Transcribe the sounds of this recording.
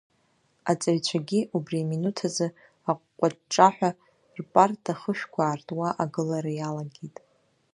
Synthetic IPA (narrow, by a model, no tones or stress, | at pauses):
at͡sʼaɥt͡ɕʷʰaɡʲiʔubriaminutʰazɨ | aqʷʼqʷʼaʈ͡ʂʼaħᶣʷa | rpʼartʰʼaχəʃᶣkʷʰaːrtʼwaʔaɡɨlaɾajalaɡʲitʼ